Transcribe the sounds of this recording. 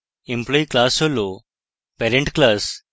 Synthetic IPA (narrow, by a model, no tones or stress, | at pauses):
implɔːiklaːsolo | peːɾẽɳʈklaːs